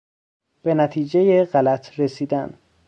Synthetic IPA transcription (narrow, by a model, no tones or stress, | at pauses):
b̥e̞næt̪ʰiːd͡ʒejeɢælæt̪ʰɾe̞siːd̪æn